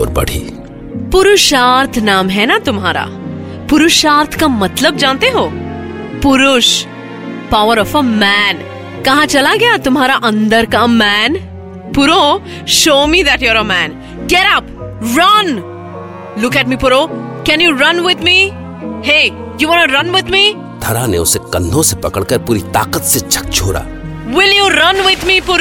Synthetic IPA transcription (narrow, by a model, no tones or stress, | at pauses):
ɔ̰ɾbɐ̰ɽʰḭ | pʊɾʊʃaːɾt̪ʰnaːmɦɛnat̪ʊmɦaːɾa̰ | pʊɾʊʃaːɾt̪ʰkamɐt̪ləb̚d͡ʒãːnt̪eɦoː | pʊɾʊʃ | paʊəɾɔfəmæn | kɐ̃ɦãt͡ʃɐlaɡɐjat̪ʊmɦaːɾaʔɐ̃nd̪əɾkamæn | puɾo | ʃoːmid̪æʈjɔɾəmæ̃n | ɡɛɾʌpɾʌn | lʊkæʈ̚mipʊɾokɛ̃njuɾʌ̃nwɪd̪mi | he | juwɔ̃nəɾʌ̃nwɪd̪mi | d̪ʰʱɐɾãneʊsekɐ̃nd̪ʱõsepɐkəɽkəɾpuːɾit̪a̰ːqət̪set͡ʃʰɐ̥k̚t͡ʃʰoːɽa̰ː | wɪljuɾʌ̃nwɪd̪mipʊɾ